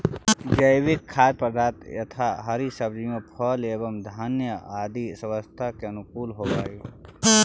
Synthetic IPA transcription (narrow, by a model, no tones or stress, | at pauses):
d͡ʒəjwɪkʰːaːd̪̚pɾd̪ʱaːt̪jɐ̰t̪ʰaɦɐɾisəbd͡ʒijõpʰɔːleːbəmd̪ʱaːnjəaːd̪isɐwəst̪ʰakeɐnʊkuːlɦoːbaːi